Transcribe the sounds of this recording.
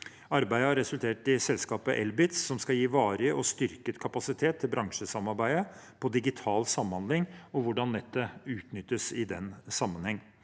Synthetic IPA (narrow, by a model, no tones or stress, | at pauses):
ɑɾbæɪəhɑɾɛsʉlt̪ʰeːʈɪsɛlskɑːpəʔɛlbɪt̪ssɔmskɑjiːʋɑːɾəʔɔst̪ʏɾkət̪kʰɑpɑsɪt̪ʰeːt̪ʰːɪlbɾɑŋʂəsɑmɑɾbæɪəpʰɔd̪ɪɡɪt̪ʰɑːlsɑmːhɑnd̪lɪŋɔʋʊɖɑnd̪ɛt̪ːəʉːt̪nʏt̪ːəsɪd̪ɛnsɑmːənhɛŋː